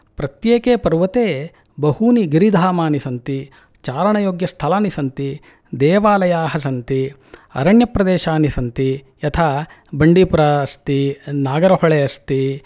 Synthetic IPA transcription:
pɾɐt̪jeːkeːpɐɾʋɐt̪eː | bɐhuniɡiɾid̪ʱaːmaːnisɐnt̪i | t͡ʃaːɾɐɳɐjoːɡjɐst̪ʰɐlaːnisɐnt̪i | d̪ɛːʋaːlɐjaːɦɐsɐnt̪i | ɐ̰ɾɐɳjɐpɾɐd̪eːʃaːnisɐnt̪i | jɐt̪ʰa | bɐɳɖipuɾast̪inaːɡɐɾɐɦɔɭeɐst̪i

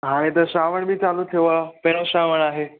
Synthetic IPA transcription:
ɦaːɽ̃ẽt̪ɐʃaːʋəɽ̃bʱit͡saːlut̪ʰiapeɽ̃oʃaʋəɽ̃aːɦeː

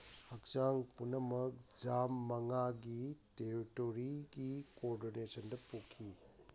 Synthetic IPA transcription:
hɐk̚saŋpunɐmɐk̚d͡ʒamːɐŋaɡiteɾitoɾiɡikoɾdonesɐndɐpukʰːi

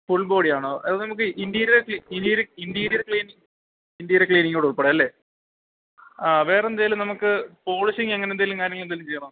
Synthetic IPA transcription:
fuɭbo̞ːɽijaːɳoʔɐðɨnɐmuk̬ːɨʔind̪ijɐɾuɾkiinijɐɾɨind̪ijɾɐɾkɭiːniŋ | ind̪ijɐɾekɭiːniŋːoːɽeuɭpeɽeɐlːe̞ː | aːʋe̞ːrend̪ejilɨmnɐmukːɨpo̞ːɭisiŋeŋːɐnend̪ɐilumkaːɾjɐŋːɐɭend̪ɐilːumt͡ɕejːɐɳɐ

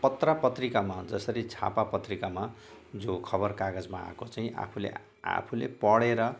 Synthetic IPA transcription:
pʌt̪rapʌt̪rikamad͡zʌsʌɾid͡zʰʱa̰papʌt̪rikama | d͡zokʰʌbʌrkaɡʌd͡zmaa̰kot͡saĩʔa̰pʰulḛ | a̰pʰulepʌɽeɾʌ

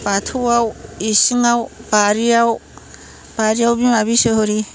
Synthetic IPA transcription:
patʰuwawisiŋawbaɾijaw | b̥aɾiawbimaβisɯɦɯɾi

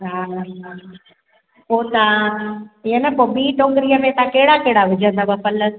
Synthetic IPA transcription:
ɦa | õnd̪a | ɪjənɐpoːbiːʈõːŋɡɾijəmẽt̪ãkɐɦɪɽakɐɦɪɽaʋɪd͡ʑʱə̃nd̪abɐpɐlə

